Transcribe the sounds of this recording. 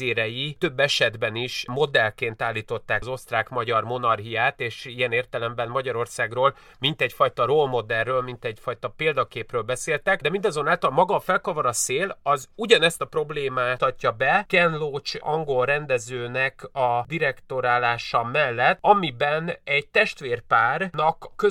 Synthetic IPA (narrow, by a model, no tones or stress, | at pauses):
eːɾɛjit̪ø̞bːɛʃɛd̪bɛniʃmo̞d̪ɛlkeːnt̪aːlːiːt̪o̞t̪ːaːkzo̞st̪raːkmɒɟɒrmo̞nɒrɡijaːt̪eːʃijɛneːrt̪ɛlɛmbɛnmɒɟɒɾo̞rsaːɡroːl | mint̪ɛɟfɒjt̪ɒrolmo̞d̪ɛrːøːlmint̪ɛɟfɒjt̪ɒpeːld̪ɒkeːprøːlbɛseːlt̪ɛkd̪ɛmind̪ɒzo̞naːlt̪ɒlmɒɡɒːfɛlkɒvoɾɒseːlɒzuɟɒnɛst̪ɒpro̞bleːmaːt̪ɒcːɒbɛkɛnloːt͡ʃɒŋɡo̞lrɛnd̪ɛzøːnɛkɒd̪iɾɛkt̪o̞ɾaːlaːʃɒmɛlːɛt̪ːɒmibɛnɛɟ̚t̪ɛʃt̪ʋeːrpaːrnɒkːø